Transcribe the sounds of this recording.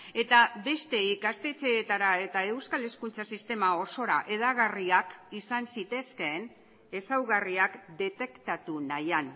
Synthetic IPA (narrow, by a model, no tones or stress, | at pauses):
e̞t̪aβe̞st̪e̞ikast̪et͡seːt̪aɾae̞t̪ae̞wskale̞skunt͡sasist̪e̞mao̞so̞ɾa̰ʔe̞ðaɣariakisansit̪e̞ske̞ːn | e̞sawɣariakd̪e̞t̪e̞kt̪at̪unajan